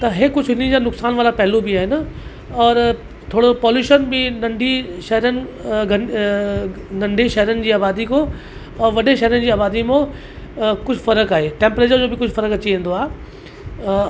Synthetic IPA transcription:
t̪ɐɦekʊd͡ʑʱɦɪn̤id͡ʑanʊksaːnʋaːlapɐɦɪlubɪaːɦɪnə̆ | ɔːɾ | t̪ʰoːɽopɔːljuːʃənbɪ̃nɐ̃ɳɖʱiʃɐɦəɾənɪ̆ɡɐ | nɐ̃ɳɖʱiʃɐɦɾənɪ̆d͡ʑiːaːbaːd̪iko | ɔːʋɐɗeʃɐɦɾənd͡ʑiːaːbaːd̪imõ | kʊd͡ʑʱʊfɐɾəkaːɦeʈẽːmpɾeːt͡ɕəɾd͡ʑoːbɪkʊd͡ʑʱfɐɾəkɐt͡ɕiʋẽːn̆d̪oaːɦe

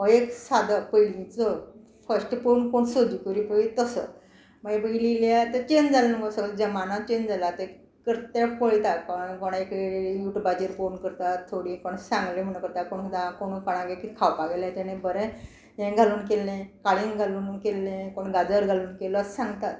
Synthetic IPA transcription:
əeksad̪apəjlĩt͡sə | fəsʈponkoɳsod͡ʑukuɾipəɭit̪əsə̰ | maɡebəililjat̪ət͡ɕend͡zalnə̃ɡosəɡld͡ʑəmanat͡ɕend͡zalat̪e | kəɾt̪efəɭt̪at̪̚kaɳkoɳekjuʈbad͡ʑeɾponkəɾt̪at̪t̪ʰːoɽĩkoɳsãŋɡlẽm̤əɳ̃kəɾt̪akoɳkʰd̪ãkoɽ̃upəɽ̃ãɡekit̪kʰawpaɡlãt̪anẽbəɾɛ | jẽɡʱaluːnkelːẽkaɭĩŋɡʱaluːnkelːẽkoɳɡad͡zəɾɡʱaluːnkelɔasãŋɡt̪at̪̚

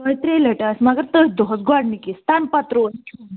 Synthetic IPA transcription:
əjt̪ɾeləʈasmaɡəɾt̪əsd̪oɦət̪ɡaɽnikist̪anpat̪ɾon

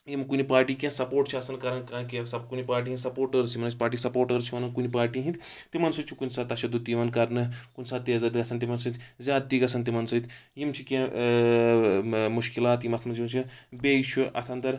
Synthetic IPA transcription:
jimkunipaːɾʈiːkʲãːsɐpoːɾʈt͡ʃʰiɐsɐnkɐɾɐnkãːkesɐbkunipaːɾʈ̬iɦĩnsɐpoːɾʈəɾsʰimɐnɐt͡ʃʲpaːɾʈ̬iːsɐpoːɾʈəɾt͡ʃʰiʋɐnɐnkunipaːɾʈiɦĩnt̪ʰʲ | t̪imɐnsut͡ʃʰikunsaːt̪ɐʃɐd̪ut̪iʋɐnkɐɾnɨkunsaːt̪ːiɐzɐd̪ɡɐsʰɐnt̪imɐnsɐt̪ʰʲzʲaːd̪̚t̪iɡɐsʰɐnt̪̬imɐnsɐt̪jimt͡ʃʰikʲẽː | muʃkilaːt̪jimɐt̪ʰmɐnsimɐnt͡ʃʰibet͡ʃʰuʔɐ̰t̪ʰɐnt̪ɐɾ

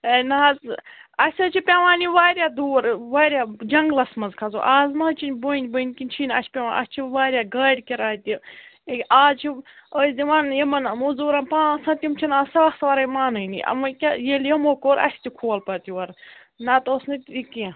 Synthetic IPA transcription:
enaːtɐsʲɐt͡ʃʰipʲaʋaːniʋaːɾʲjaːd̪uːɾʋaːɾjaːd͡ʒɐŋɡlɐsmɐzkʰɐzo̰ʔaːzmɐt͡ʃʰinʲboinʲbənʲkinʲt͡ʃʰiːnɐsʲpʲewaːnɐ̰st͡ʃʰiʋaːɾʲjaːɡɐːɽʲkʲiɾaːt̪iekʲaːzt͡ʃʰiəːsd̪ʲiʋanjɐmɐnɐmuzuːɾɐnpãːsɐ̃t̪ʲjimt͡ʃʰinaːsɐɐxsʋɐɾɐjmaːnɨnḭʔɐ̰mokʲajeljɐmoːkoːɾɐ̰sʲt̪ʲikʰuːɐlpɐt̪iʋɐɾ | naːt̪oːsnɨt̪iki

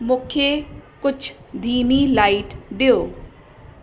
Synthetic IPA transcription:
mʊkʰjekʊt͡ʃʰ | d̪ʱiːnilaːiʈɖeoː

